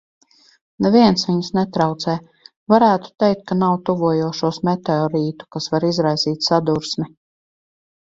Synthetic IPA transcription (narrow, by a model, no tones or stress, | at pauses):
nɛviɛnsʋʲiɲsnɛt̪ɾawt̪sɛː | vaɾæːt̪u̥t̪ɛjk̚t̪̚kanawt̪uvuɔjuɔʃuɔsmɛt̪ɛɔɾiːt̪u̥kasvaɾizɾajziːt̪ʲsad̪uɾsmʲi